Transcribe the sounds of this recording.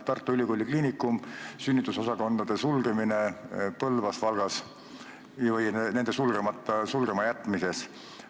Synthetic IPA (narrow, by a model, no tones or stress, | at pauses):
t̪ɑrt̪ːˑuylʲikolʲːikliːnikːˑumsynʲːit̪ːuso̞sɑko̞nd̪̥ɑd̪̥e̞sulɡ̥emine̞pɤlvɑsvɑlɡ̥ɑs | vɯjnene̞nd̪e̞sulɡ̥e̞mɑt̪ːɑsulɡe̞mɑjæt̪ːˑmise̞s